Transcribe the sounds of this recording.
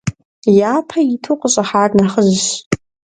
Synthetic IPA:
jaːpʰaitʰuqʷʼəɕʼaħaːrʼnaχəʑɕ

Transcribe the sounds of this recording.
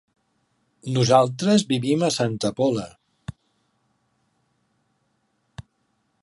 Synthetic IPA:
nuzalˠt̪ɾəzβiβiməsant̪əpɔlə

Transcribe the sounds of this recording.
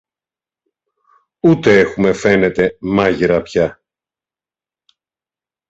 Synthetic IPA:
ut̪e̞e̞xume̞fe̞ne̞t̪e̞mɐʝeɾɐpçɐ

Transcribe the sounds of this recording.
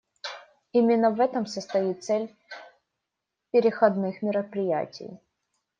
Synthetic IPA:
imʲɪnːəvɛt̪əmsəst̪ɐit̪t̪sɛlʲ | pʲɪɾʲɪxɐd̪nɨxmʲɪɾəpɾʲɪjæ̰tʲɪ̰j

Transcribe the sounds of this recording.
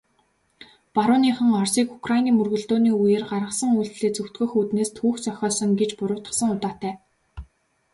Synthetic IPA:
paɾʊːniːχə̆ŋɔrsiːku̥kʰrainiːmɵrɣɵ̆ɮt̪oːniːujĕːrɢarʁə̆sə̆ŋujɮt̪ɮeːt͡sɵw̥t̪ɡɵ̆xut̪neːst̪ʰuːxt͡sœxʲɔːsə̆ŋɡet͡ɕpʊɾʊ̥ːt̪ə̆sə̆ŋʊt̪aːt̪æː

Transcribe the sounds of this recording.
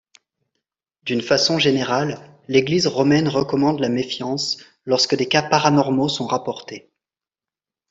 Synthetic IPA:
d̪ynfasɔ̃ʒeneʁalː | eɡlizʁɔmɛnʁəkɔmɑ̃d̪lamefjɑ̃s | lɔʁskəd̪ekapaʁanɔʁmosɔ̃ʁapɔʁt̪e

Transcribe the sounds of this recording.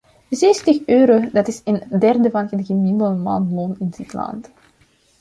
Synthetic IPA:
zeːstəxøːɾodɑtɪsəndɛrdəvɑnɣənɣəmiləmɑ̰nlonɪnz̥itlɑ̰nt

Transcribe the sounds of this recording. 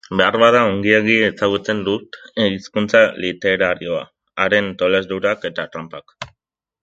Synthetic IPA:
be̞arβaðaoŋɡieɣiesaɣut͡se̞nd̪ut̪eiskunt͡salit̪e̞ɾaɾio̞a̰ | aɾe̞nt̪o̞le̞zðuɾake̞t̪at̪ɾampak

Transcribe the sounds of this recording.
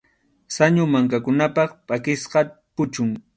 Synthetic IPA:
saɲʊmaŋkakʊnapɑχpʼakɪsqɑpʊt͡ʃʊŋ

